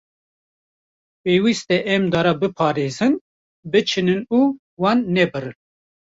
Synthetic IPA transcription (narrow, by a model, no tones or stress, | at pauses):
peːwist̪ɛʔɛmd̪ɑɾabɨpʰɑːɾezɨn | bɨt͡ʃʰɨnɨnuː | wɑnːɛbɨɾɨn